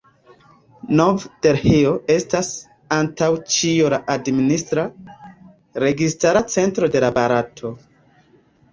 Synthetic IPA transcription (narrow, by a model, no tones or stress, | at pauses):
novde̞ɾheoe̞stas | antawt͡ʃiolaʔadministɾa | ɾe̞ɡistaɾat͡se̞ntɾo̞de̞labaɾatʰo̞